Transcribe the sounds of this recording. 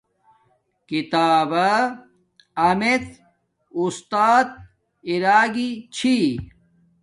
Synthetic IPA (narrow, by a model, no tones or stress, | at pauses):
kit̪aːbɐ | ɐmet̪ | ust̪aːt̪̚ | iɾaːɡit͡ɕʰi